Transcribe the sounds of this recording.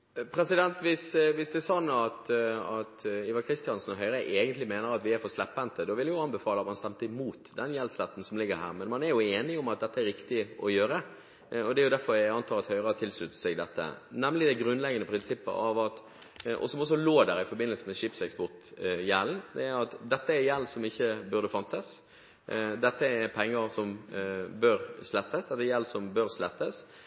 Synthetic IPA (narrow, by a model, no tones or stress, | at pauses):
pʰɾɛsɪd̪ɛnt̪ʋɪsʋɪsd̪ɛːɾsɔnːɑt̪ɑt̪iʋɑkʰɾɪst̪ɪjɑnsnɔɦœʏɾəʔeːɡənt̪lɪmeːnəɾɑt̪ʋɪæɾfɔslɛpːɛnt̪əd̪ɔʋɪljjʊɑnbəfɑːləɑt̪mɑnst̪ɛmt̪əɪmuːt̪d̪ɛnjɛlslɛt̪ːn̩sɔmlɪɡːəɾɦæ̰ːʁmɛnmɑnæɾjʊeːnɪʊmɑt̪̚d̪ɛt̪ːəɛɾɪkt̪ɪʔɔjøːɾə | ɔd̪ɛæɾjʊd̪æɾfɔɾjæɑnt̪ʰɑːɾɑt̪hœʏɾəɑt̪ʰɪlslʉt̪ːəsɛɡd̪ɛt̪ːə̰nɛmlɪd̪æɡɾʉnlɛɡənəpʰɾɪnsɪpːə̰ɑ̰ʋɑt̪ | ʔɔ̰sɔmɔs̬ːɔloːd̪æɾɪfɔɾbɪnːəlsəmɛʃɪpsɛkspɔʁt̪jæːld̪ɛæɾɑt̪d̪ɛt̪ːəɛɾjɛlsɔmɪçːəbʉɾd̪əfɑnt̪əs | d̪ɛt̪ːəɛɾpʰɛŋːəɾsɔmbøːɾslɛt̪ːəsd̪ɛt̪əɛɾjɛlsɔmbøːɾslɛt̪ːəs